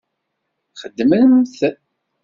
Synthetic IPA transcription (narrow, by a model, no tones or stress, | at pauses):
χəd̪ːmæmθæ